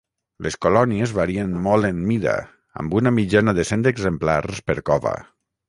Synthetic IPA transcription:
lʔeskolɔniezβaɾiənmːɔlˠenmiða̰ | a̰mbunamid͡ʒanaðesend̪eɡzemplarspəɾkɔβa̰

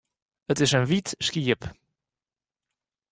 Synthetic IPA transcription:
ətɛʃənvit̪ʃkiəp

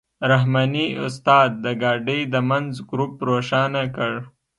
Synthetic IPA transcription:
ɾaɦmɑniʊ̰st̪ɑːd̪̚ːəɡɑɖəjd̪əmanzɡɾupːɾoʃɑnakəɽ

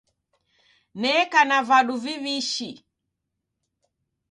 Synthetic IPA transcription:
nɛkanavaɗuviβiʃi

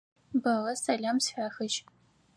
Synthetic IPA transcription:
bɐʁɐsɐɮʲamsħʷaːxɨʒ

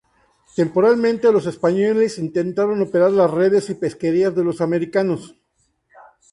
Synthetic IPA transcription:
t̪e̞mpo̞ɾalmẽ̞nt̪e̞lo̞se̞spaɲolesint̪e̞nt̪aɾo̞no̞pe̞ɾaɾlasre̞ð̞e̞sipe̞ske̞ɾiazðe̞losame̞ɾikano̞s

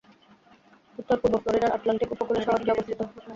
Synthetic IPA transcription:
ut̪ːoɾpuɾbofloɾiɖaɾʔaʈlaɳʈikupokuleɾʃɔbʱaɾkiɔbost̪ʰit̪o

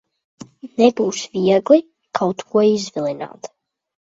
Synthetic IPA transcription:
nɛbuwʃvijaɡli | kʰawt̪ʰkʰuɔizvilɛna̰ːt̪

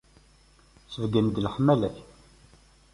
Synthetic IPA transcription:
səvɡənd̪əlħəmːælæç

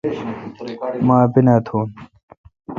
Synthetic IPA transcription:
maːbinaːt̪ʰoːn

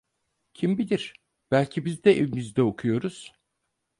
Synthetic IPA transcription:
cʰimbid̪iɾ̥ | b̥ælʲcʰibizd̪ɛʔevimizd̪ɛokʰujo̞ɾuz̥

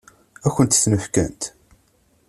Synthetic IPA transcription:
æçʷənt̪θnəfkæ̰nt̪

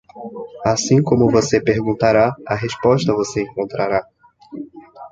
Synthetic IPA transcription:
asĩkõmʊvosepeɾɡũnt̪aɾaɐɦespɔʃt̪ɐvoseẽŋkõnt̪ɾaɾa

